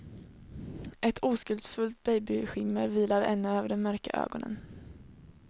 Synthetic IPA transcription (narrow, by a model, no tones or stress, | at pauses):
ʔɛt̪ʰuːskɵld̪sfɵlt̪̚bɛjbɪɧɪmːəɾviːlaɾɛ̰nːʉøːvəɖɛnmœɾka̰ʔø̰ːɡɔnə̰n